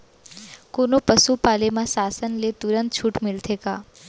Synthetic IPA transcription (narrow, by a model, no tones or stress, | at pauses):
konopəsupaːlemãsaːsənlet̪ʊɾə̃nt̪̚t͡ʃʰuːʈmɪlt̪ʰekaː